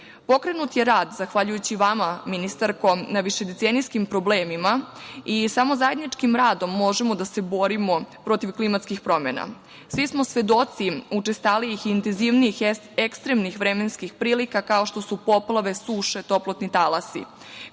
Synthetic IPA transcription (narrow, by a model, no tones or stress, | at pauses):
po̞kɾe̞nut̪jeɾaːd̪zaxʋaʎujut͡ɕiʋamaminist̪aɾko̞naʋiʃe̞d̪et̪senijskimpɾo̞bleːmimaisamo̞zaje̞d̪nit͡ʂkimɾaːd̪o̞mːo̞ʒe̞mo̞d̪ase̞bo̞ɾimo̞pɾo̞t̪iʋklimat̪skixpɾo̞mḛna̰ | sʋismo̞sʋe̞d̪o̞t̪siut͡ʂest̪aliixːnt̪enziʋniix | ekst̪ɾemnixʋɾeme̞nskixpɾiːlikakao̞ʃt̪o̞supo̞plˠaʋe̞suːʃe̞t̪o̞plot̪nit̪alasḭ